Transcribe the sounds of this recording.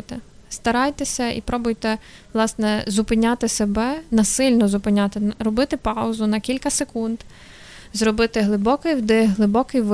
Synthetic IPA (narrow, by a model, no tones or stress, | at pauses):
t̪ɛst̪ɐɾɑjt̪esʲɐḭpɾɔbʊjt̪ɛʋlˠɑsnɛzʊpɪnʲat̪ɪsebɛnɐsɪlʲnɔzʊpɪnʲɑt̪ɪɾɔbɪt̪ɪpɑʊzʊnɐkʲilʲkɐsekund̪ | zrɔbɪt̪ɪɦlˠɪbɔkɪjwd̪ɪɦlˠɪbɔkɪjʋ